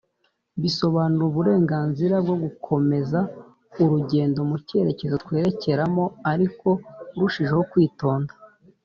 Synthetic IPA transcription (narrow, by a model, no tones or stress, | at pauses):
βiso̞βaːnuɾuβuɾe̞ːŋɡaːnziɾab̚ɡo̞ɡukʰo̞me̞za | uɾuɟe̞ːndo̞muce̞ɾe̞ce̞zot̪we̞ːɾe̞ce̞ɾamo̞aɾiko̞ɾuʃiʒe̞ho̞kwiːto̞ːndḁ